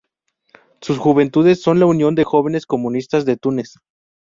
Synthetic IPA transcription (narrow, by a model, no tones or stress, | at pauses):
susxuβ̞e̞nt̪uðe̞sːo̞nlaunjo̞nd̪e̞xo̞βe̞ne̞sko̞mũnist̪azðe̞t̪une̞s